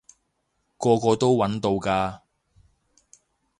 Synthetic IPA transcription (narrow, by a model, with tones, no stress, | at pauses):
kɔː˧kɔː˧t̪o˥wwɐ˨˥nt̪o˧wkaː˧